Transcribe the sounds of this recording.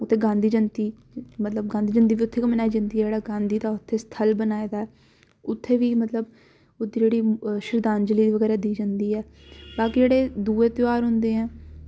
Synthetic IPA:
ʊt̪ʰːeːɡãːnd̪iːd͡ʒənt̪iː | mət̪ləb̚ɡãːnd̪iːd͡ʒə̃nd̪iːʋiːʊt̪ʰːeːkəmːnaːid͡ʒənd̪iːɛd͡ʒeːɽaːɡãːnd̪iːt̪aːʊt̪ʰːeːst̪ʰəlbənaːed̪aːɛː | ʊt̪ʰːeːʋiːmət̪ləb | ʊt̪ːd͡ʒeːɽiːʃɪɾd̪aːnd͡ʒəliːd̪eːʋəɡɛːɾɛːd̪iːd͡ʒənd̪iːɛː | baːkid͡ʒeːɽeːd̪uːeːt̪ɪʋaːɾɦʊ̃nd̪eːɦɛ̃ː

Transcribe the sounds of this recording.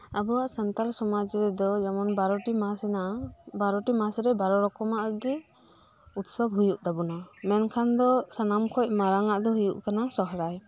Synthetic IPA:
abɔwaʔsant̪alsɔmad͡ʒɾɛd̪ɔjamɔnbaɾɔʈimasɛnabaɾɔʈimasɾɛbaɾɔɾɔkɔmaʔaɡɛ | ut̪sɔbɦujuʔd̪abunamɛnkʰand̪ɔsanamkʰɔc̚maɾaŋaʔd̪ɔɦujṵʔkanasɔɦɾaj

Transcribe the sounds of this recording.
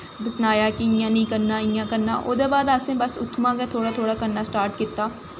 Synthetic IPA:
bəsnaːjaːkiɪjãːnĩːkəɾnaːɪjãːkəɾna̰ːʔoːd̪eːbaːd̪aːsẽːbəsʊt̪ʰːmãːɡɛːt̪ʰoːɽaːt̪ʰoːɽaːkəɾnaːsʈaːɾʈkɪt̪ːaː

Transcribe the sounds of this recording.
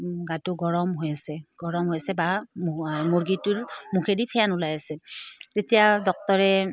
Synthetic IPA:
ɡatʊɡɔɹɔmɦojasɛɡ̥ɔɹɔmɦojasɛba | moɹɡituɹmukʰedipʰɛjanulajasɛtetijadɔk̚tɔɹɛ

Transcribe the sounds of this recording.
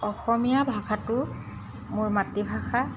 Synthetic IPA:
ɔxɔmijabʱaɡʰatʊ | mʊɹmatːibʱaɡa

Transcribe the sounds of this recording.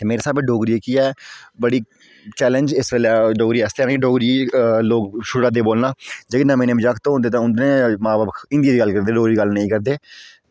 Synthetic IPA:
t̪eːmeːɾeːsaːbɛɖoːɡɾiekiːɛːbəɽiː | t͡ʃɛːlə̃nd͡ʒɪsʋeːlɛːɖoːɡɾiːɛːst̪eaːnːɖoːɡɾieloːɡʃʊɽaːd̪eːboːlnaːd͡ʒeːkːnãːmẽːnẽːbɪd͡ʒakʰt̪oːõnd̪eːt̪ãːʊnd̪nẽːmãːbaːbkɪ̃nd̪iaːd̪iːɡəlkəɾd̪eːɖoːɡɾiːɡəlnəĩːkəɾd̪eː

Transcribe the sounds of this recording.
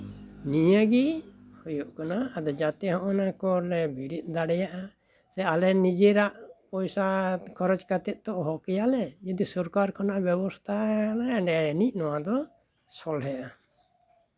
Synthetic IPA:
nijəɡihɔjuʔkanaːd̪ɔd͡ʒat̪ɛɦɔ̃ʔɔnakɔɾlɛbʱiɾit̪̚ˀd̪aɽɛjaʔa | sɛalɛnid͡ʒɛɾaʔpɔjsakʰɔɾɔd͡ʒkat̪ɛt̪̚t̪ɔʔɦɔkɛjalɛd͡ʒud̪isɔɾkaɾkʰɔnaʔbjɛbɔst̪ʰanaɛɖɛajənic̚nɔwad̪ɔ | sɔlɦɛʔa

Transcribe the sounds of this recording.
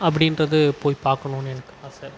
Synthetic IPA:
ɐp̬ːɐɽɪnrɐðɯpoːjpaːɾkɐɳʊ̃ːnɛnɐkːɯlãːsaːɾ

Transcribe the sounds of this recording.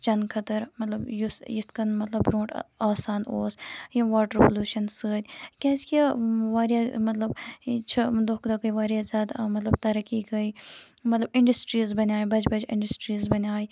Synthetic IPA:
t͡ʃɐnkʰɐt̪ɐɾmɐt̪lɐbjusjit̪ʰkɐnmɐt̪lɐbɾõːʈaːsaːnoːsjiʋaːʈɾepəluːʃɐnsəːd̪ʲkʲẽːskiaʋaːɾijaːmɐt̪lɐbt͡ʃʰɐd̪okd̪akɐiʋaːɾjaːzʲjaːd̪mɐt̪lɐb̚t̪ɐɾɐkiɡɐiː | mɐt̪lɐbɪɳɖɐsʈɾiːzbɐnʲaːjbɐd͡ʒbɐd͡ʒɪ̰̃ɳɖɐsʈɾiːzbɐnʲaːi

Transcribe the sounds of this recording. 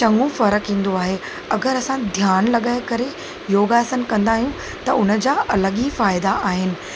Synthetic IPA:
t͡ɕɐ̃ŋɡũfɐɾəkɦĩːn̆d̪oaːɦe | ɐɡəɾɐsãd̪ʱjaːnlɐɠaːekɐɾe | joːɡaːsənkɐ̃nd̪aːɦijũ | t̪ɐʊnə̆d͡ʑaːʔɐləɠifaːɪd̪aʔaːɦɪnɪ̆

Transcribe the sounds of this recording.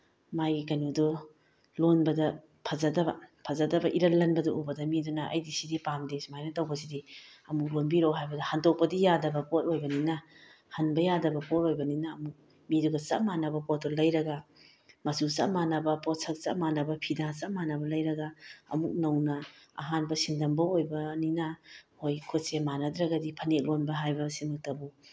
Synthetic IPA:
majikɐnudu | lonbɐdɐ | pʰɐzɐdɐbɐ̰pʰɐzɐdɐbɐʔiɾɐlːɐnbɐduʔubɐdɐmidunɐʔɐ̰jdisidipamdesmajnɐtɐwbɐsidiɐmuk̚lonbiɾoɦajbɐdɐhandok̚pɐdijadɐbɐpot̚ojbɐninɐ | hɐnbɐjadɐbɐpot̚ojbɐninɐːmuk̚ | miduɡɐt͡ʃɐmanɐbɐpotɔlɐjɾɐɡɐ | mɐsut͡ʃɐ̰manɐbɐpɔt̚sʰɐk̚t͡ʃɐ̰manɐbɐpʰidat͡ʃɐmanɐbɐlɐjɾɐɡɐɐ̰muk̚nɐwnɐɐ̰ɦanbɐsindɐmbɐojbɐninɐhojkʰot̚semanɐdɾɐɡɐdipʰɐnek̚lonbɐɦajbɐsimɐk̚tɐbu

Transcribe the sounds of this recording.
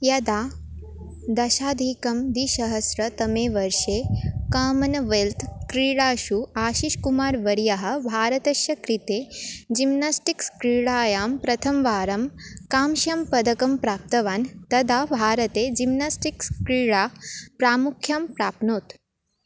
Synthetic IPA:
jɐd̪a | d̪ɐʃaːd̪ʱikɐmd̪iːʃɐɦɐsɾɐt̪ɐmeʋɐɾʂekaːmɐnɐʋelt̪ʰkɾiːɽaːʃuaːʃiʃkumaːɾʋɐɾjaɦə̆bʱaːɾɐt̪ɐʃjɐkɾit̪ed͡ʑimnasʈikskɾiɽaːjaːmpɾɐt̪ʰɐmʋaːɾɐmkaːmʃjɐmpɐd̪ɐkɐmpɾaːp̚t̪ɐʋaːnt̪ɐd̪abʱaːɾɐt̪ed͡ʑimnasʈikskɾiːɽapɾaːmukʰjɐmpɾaːpnoːt̪

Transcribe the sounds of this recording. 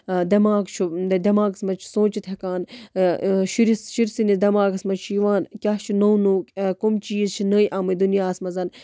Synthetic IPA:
d̪ɐmaːɡt͡ʃʰud̪ɐmaːɡsmɐt͡ʃʰsõːt͡ʃit̪ʰekaːn | ʃiɾisʃiɾsinid̪ɐmaːɡɐsmɐt͡ʃʃʰiʋaːnkʲaːt͡ʃʰunownoːkʲkumt͡ʃiːzt͡ʃʰinəːjʔaːmɨd̪unijaːsmɐzɐn

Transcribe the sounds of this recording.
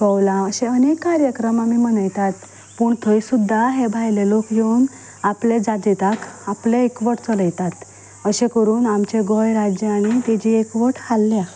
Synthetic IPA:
kəwlaəɕẽənekːaɾjəkɾəmamiːm̤əɳəjt̪at̪ | puːɳt̪ʰəisud̪ʱːaɦebʱajlelokjen | apled͡zad͡ʑet̪akapljeekʋəʈʰt͡sɔləjt̪at̪ | əɕẽkəɾuːnamt͡ɕeɡɔjɾad͡ʑjaɽ̃it̪ed͡ʑiːekʋəʈʰhalːja

